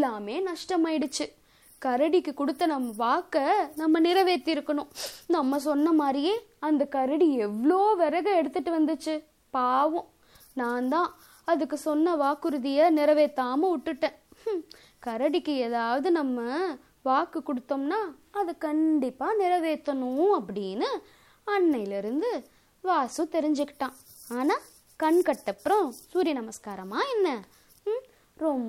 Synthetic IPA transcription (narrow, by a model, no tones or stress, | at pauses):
ɪlːaːmeːnɐʂʈɐmaːɪɽɯt͡ʃːɯ | kɐɾɐɽɪkːɯkʊɽɯt̪ːɐnɐmːɐʋaːkːɐnɐmːɐnɪɾɐʋeːt̪ːɪɾɯkːɐɳʊ̃nɐmːɐs̬ɔnːɐmaːd̪ɾɪjeːɐnd̪ɐkɐɾɐɽiɛʋːɐɭoːʋɛɾɐɣɐɛɽɯt̪ːɯʈːɯʋɐnd̪ɯt͡ʃːɯ | paːʋʊ̃ | nãːnd̪ãː | ɐðɯkːɯsɔnːɐʋaːkɯɾɯðɪjɐnɪɾɐʋeːt̪ːaːmɐʊʈːɯʈːẽː | kɐɾɐɽɪkːɯɛːðaːʋɐðɯnɐmːɐ | ʋaːkɯkːɔɽɯt̪ːoːmnaː | ɐðɯkɐɳɖɪpːaːnɪɾɐʋeːt̪ːɐnʊ̃ɐpːɐɽɪnːɯ | ɐɳːɐjlɪɾɯnd̪ɯ | ʋaːsɯt̪ɛɾɪɲd͡ʒɯkːɪ̥ʈːãː | aːnaː | kɐɳkɐʈːɐpːɾɔ̃suːɾɪjɐnɐmɐskaːɾɐmaːɛnːɐ | ɾɔmb